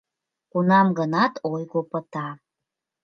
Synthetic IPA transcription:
kunɑmɡənɑt̪ojɣopət̪ɑ

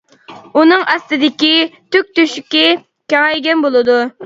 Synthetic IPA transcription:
unɨŋɑst̪ɨd̪ɪkʲit̪ʰyk̚ʲt̪yʃykʲi | kʲɑŋɛjɡʲɛnbolˠɨd̪u

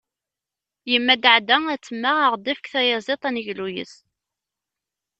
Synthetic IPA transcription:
jəmːæd̪ʕd̪ææt͡sːəmːaəʁd̪ifə̥kθæjɑzˤet̪ˤænəʝlujə̰s

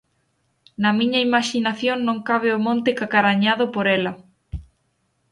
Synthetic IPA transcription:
nɐmĩɲaimaʃinaθjoŋnõŋkaβ̞eʊmõnt̪ekakaɾaɲaðʊpoɾɛlɐ

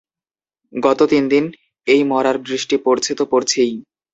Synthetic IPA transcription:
ɡɔt̪ot̪ind̪in | ejmɔɾaɾbɾiʃʈipoɾt͡ɕʰet̪opoɾt͡ɕʰij

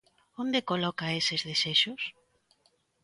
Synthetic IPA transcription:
ond̪ekolɔkaesɪzðeseʃʊs

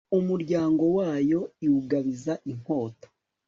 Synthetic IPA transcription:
umuɾɟaːŋɡo̞waːjo̞iwuɡaβizaʔiŋ̥ho̞ːto̥

